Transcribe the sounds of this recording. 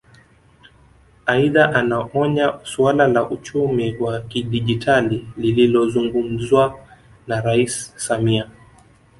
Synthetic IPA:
aiðaʔanaʔɔɲasualalaʔut͡ʃumiwakiɗiʄitʰalilililɔzuŋɡum̩zwa | naɾaissamia

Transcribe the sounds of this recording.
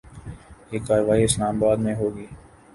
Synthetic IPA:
jeːkːaːɾʋaːiːɪslaːmbaːd̪mẽɦoːɡiː

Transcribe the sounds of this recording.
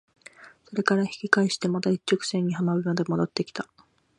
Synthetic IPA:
so̞ɾe̞kaɾaçi̥kʲikaeɕi̥t̪e̞mat̪ait͡ɕːo̞kɯ̟̥sẽ̞ɲ̟ːihamabɯ̟mad̪e̞mo̞d̪o̞t̪ːe̞kʲi̥t̪a

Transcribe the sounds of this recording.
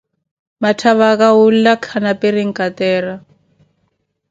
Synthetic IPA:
matʰaβakaul̩lakʰanaperiŋ̩kʼat̪ɛːra

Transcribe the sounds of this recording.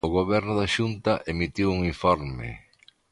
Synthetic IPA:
ʊɣoβɛɾnʊðaʃunt̪ɐʔemit̪iwuŋiɱfɔɾmɪ̰

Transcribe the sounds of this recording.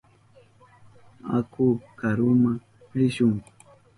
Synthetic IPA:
a̰kʰʊkaɾʊma | ɾɪʃʊŋ

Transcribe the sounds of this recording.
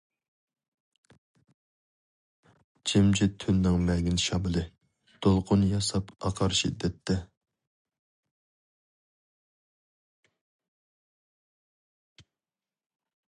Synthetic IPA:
t͡ʃʰemd͡ʒʰit̪ʰynːɪŋmɛɡʲinʃɑmɨlˠɨ | d̪̥olˠqʰʊnjɑsɑpɑqʰɑɾʃḭd̪ːɛt̪ʰːɛ

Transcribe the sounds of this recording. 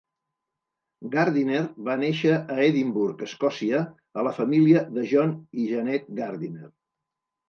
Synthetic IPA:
ɡaɾðineɾβaneʃəʔːeðimbuɾkəskɔsiə | ələfəmiliəðəʒɔniʒənɛt̪̚ɡaɾðiner

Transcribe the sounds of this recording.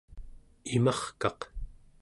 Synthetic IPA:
imaχkɑq

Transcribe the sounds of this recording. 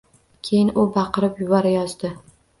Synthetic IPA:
kʲʰe̞jɪnʊbɑqɨɾɪpjʊbɒɾajɒzd̪ɪ

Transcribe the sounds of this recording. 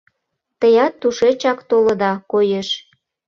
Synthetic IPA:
t̪əjɑt̪ːuʃet͡ɕɑkt̪oləd̪ɑkojeʃ

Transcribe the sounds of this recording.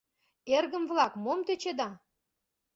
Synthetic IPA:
erɣə̆mvlɑkmomt̪et͡ɕed̪ɑ

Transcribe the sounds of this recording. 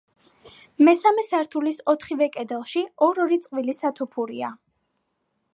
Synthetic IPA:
mɛsamɛsaɾt̪ʰulisɔt̪ʰχivɛkʼɛd̪ɛlˠʃiɔɾɔɾit̪sʼqʼvilisat̪ʰupʰuɾia

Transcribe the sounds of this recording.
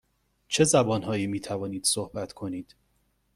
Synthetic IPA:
t͡ʃʰe̞zæbɒːnɦɒːjiːmiːt̪ʰævɒːniːd̪̥sohbæt̪ʰkʰo̞niːd̪̥

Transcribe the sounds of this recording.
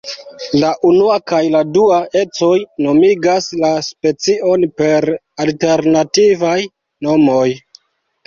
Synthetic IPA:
laʔunuakajladuae̞t͡so̞jno̞miɡaslaspe̞t͡siʔo̞npe̞ɾ | alte̞ɾnativaj | no̞mo̞j

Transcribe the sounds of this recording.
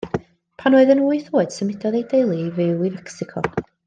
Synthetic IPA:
pʰanoːɨðənuːiθoːɨd̥səmɪdɔðejdejlˠivɪwivɛksɪkʰɔ̰

